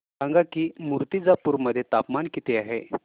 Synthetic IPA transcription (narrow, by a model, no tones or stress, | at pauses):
ãŋɡakiːmuɾt̪id͡zapuːɾməd̪ʱːjet̪apmankit̪eaɦe